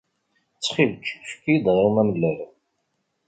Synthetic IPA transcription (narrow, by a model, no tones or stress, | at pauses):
t͡sːχivt͡ʃːfkːid̪ʁimæməlːəɾ